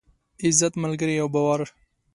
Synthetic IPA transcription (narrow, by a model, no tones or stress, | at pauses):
ɪzat̪malɡəɾijawbawaɾ